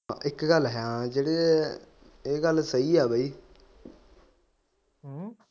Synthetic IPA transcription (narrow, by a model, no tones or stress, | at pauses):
ɪkɡəlɦjãːd͡ʒeːɽeː | eːɡəlsəiːɛːbəiː | ɦ